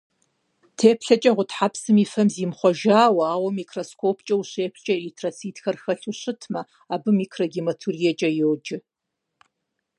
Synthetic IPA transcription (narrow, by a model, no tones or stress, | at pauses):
tʰeːpʰɬɐt͡ʃʼɐʁʷʊtħapsɨmiːfɐmziːmχʷɔʒaːwɐaːwɐmikʰroskʰoːpʰt͡ʃʼɐwuɕeːpʰt͡ʃʼɐritʰrɐsiːtxɐrxɐɬʰuɕɨtʰmɐ | aːbɨmiːkʰrɐɡʲimɐtʰurijɛt͡ʃʼɐjowd͡ʒɪ